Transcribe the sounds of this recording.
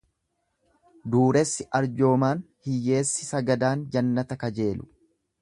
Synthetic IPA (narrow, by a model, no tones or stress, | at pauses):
d̪uːɾɛsːɪʔɐɾd͡ʒo̞ːmaːn | hɪjːe̞ːsːɪsɐɡɐd̪aːnd͡ʒɐnːɐt̪ɐkɐd͡ʒe̞ːlʊ̥